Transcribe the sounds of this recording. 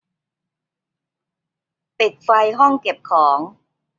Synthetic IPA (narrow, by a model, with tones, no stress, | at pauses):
pe˨˩k̚fa˧jɦɔ˥˩ŋke˨˩p̚kʰɔː˩˦ŋ